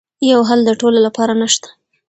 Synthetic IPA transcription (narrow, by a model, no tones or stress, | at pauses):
jawɦald̪əʈololapɑɾanəʃt̪ḁ